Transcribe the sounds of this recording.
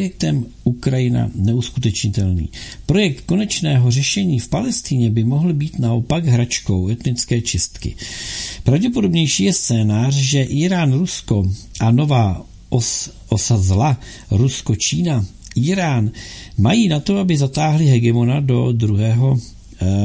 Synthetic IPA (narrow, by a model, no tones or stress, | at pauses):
jɛk̚t̪ɛmʔukɾajɪna̰nɛuskut̪ɛt͡ʃɲɪt̪ɛlnḭːpɾo̞jɛk̚t̪ko̞nɛt͡ʃnɛːɦo̞r̝ɛʃɛɲiːfpalɛst̪ɪɲɛbɪmo̞ɦl̩biːt̪naʔo̞paɡɦɾat͡ʃko̞wɛt̪nɪt͡skɛːt͡ʃɪst̪kɪ̰pɾavɟɛp̬o̞do̞bɲɛjʃiːjɛst͡sɛːnaːrʒɛʔiːɾaːnɾusko̞ʔano̞vaː | ʔosazla | ɾusko̞t͡ʃiːna | ʔiːɾaːnmajiːnat̪o̞abɪzat̪aːɦlɪɦɛɡɛmo̞nado̞d̪ɾuɦɛːɦo̞